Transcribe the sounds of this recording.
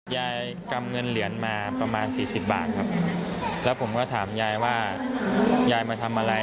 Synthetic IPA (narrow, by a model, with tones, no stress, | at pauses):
jaː˧j | ka˧mŋɤ˧nli˩˦ənmaː˧pɾa˧maː˧nsiː˨˩si˨˩p̚ba̰ː˨˩t̪̚kʰa˦˥p̚lɛ˦˥wpʰo˩˦mkɔː˥˩t̪ʰaː˩˦mjaː˧jwaː˥˩ | jaː˧jmaː˧t̪ʰa˧mʔa˧ɾa˧